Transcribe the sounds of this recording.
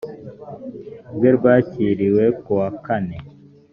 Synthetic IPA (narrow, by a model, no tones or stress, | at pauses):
ɡweɾɡwaːciːɾiwekuwakane̞